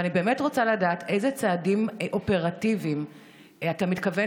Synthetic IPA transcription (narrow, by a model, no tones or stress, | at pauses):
anibe̞ːmetʁot͡saladaːtʰe̞jzet͡saːdimʔo̞pe̞ʁativim | atamitkave